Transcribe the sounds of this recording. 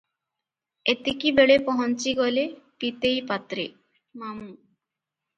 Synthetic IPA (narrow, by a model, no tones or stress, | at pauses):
et̪ekibeɭepɔɦɔnt͡ɕiɡɔlepit̪ejpat̪ɾḛ | mamu